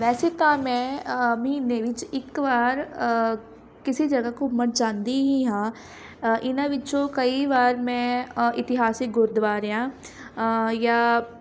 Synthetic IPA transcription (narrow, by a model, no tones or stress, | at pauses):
ʋɛːseːt̪ãːmɛ̃ːmiːnẽːʋɪt͡ʃɪkʋaːɾ | kɪsiːd͡ʒəɡaːkoməʈ̚d͡ʒãːnd̪iːɦiːɦãː | ʔɪnãːʋɪt͡ʃõːkəiːʋaːɾmɛ̃ːɪt̪ɪɦaːsɪk̚ɡʊɾd̪ʋaːɾejãː | jaː